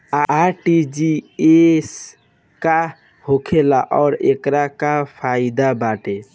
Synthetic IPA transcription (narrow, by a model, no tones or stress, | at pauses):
aʈid͡ʒies | ka | hokʰelaʔɔːɾḛkɾakapʰaid̪abaʈe